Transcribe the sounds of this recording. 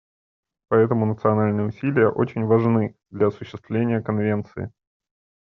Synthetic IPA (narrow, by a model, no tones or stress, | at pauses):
pɐɛt̪əmʊnət̪sɨɐnalʲnɨjəʊsʲilʲɪjəʔot͡ɕɪnʲvɐʐnɨd̪lʲɐɐsʊɕːɪst̪vlʲenʲɪjəkɐnvʲe̞nt̪sɨ̰ɪ̰